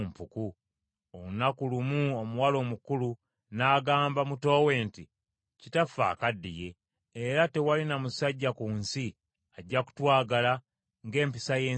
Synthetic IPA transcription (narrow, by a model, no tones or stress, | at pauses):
mpuku | ounakulumuomuwalo̞ːmukulu | naːɡaːmbamuto̞ːwe̞ːnti | citafa̰ːkadːḭje̞ː | ɾate̞walinamusaɟːakuːnsi | aɟːaku̥twaːɡala | ŋɡe̞ːmpisaje̞ː